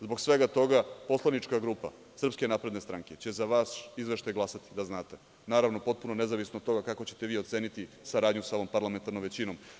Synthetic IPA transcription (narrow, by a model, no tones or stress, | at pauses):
zbo̞ɡsʋe̞ɡat̪o̞ɡapo̞slˠanit͡ʃkaɡɾuːpa̰ | sr̩pske̞naːpɾed̪nest̪ɾaŋket͡ɕe̞zaʋasizʋeʃt̪ajɡlˠasat̪i̥d̪aznaːt̪e | naːɾaʋno̞po̞t̪̚punone̞zaʋisnod̪t̪o̞ɡakako̞t͡ɕe̞̥t̪e̞ʋiːo̞t̪seːnit̪isaɾaːd̪ɲusao̞ʋo̞mpaɾlˠament̪aɾnomʋe̞t͡ɕino̞m